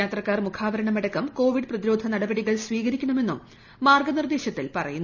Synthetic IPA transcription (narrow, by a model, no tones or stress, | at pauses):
jaːt̪rɐkːaːrmukʰaːʋɐɾɐɳɐmeɽɐkːɐmko̞ːʋiɖɨprɐðiɾo̞ːd̪ʱɐnɐɽɐbɐɽiɣɐɭsʋiːɣɐɾikʲːɐɳɐme̞nːumː | aːrɡɐnird̪e̞ːɕjɐt̪ːilpɐrɐ̰junː